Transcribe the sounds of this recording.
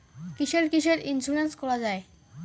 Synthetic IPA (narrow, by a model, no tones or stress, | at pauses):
kiʃelkiʃ̬eɾinsuɾenskɔɾad͡ʑae